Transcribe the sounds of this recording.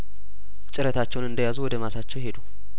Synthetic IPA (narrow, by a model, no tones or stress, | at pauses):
t͡ʃʼɪɾət̪ʰat͡ʃːɛwnɨnd̪əjazuwɔd̪əmasat͡ʃːɛwhe̞d̪u